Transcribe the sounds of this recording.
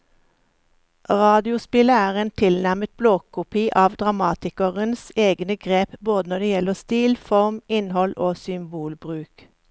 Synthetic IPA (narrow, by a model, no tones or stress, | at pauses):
ʁɑːd̪ɪʊspɪləæːʁeːnt̪ʰɪlnæʁmət̪̚bloːkʰʊpiːʔɑːʋd̪ʁɑmɑːt̪ɪkəʁənseːɡnəɡʁeːpboːd̪ənɔd̪eːjɛləʁst̪iːlfɔʁmɪnhɔlʔoːsʏmbuːlbʁʉːk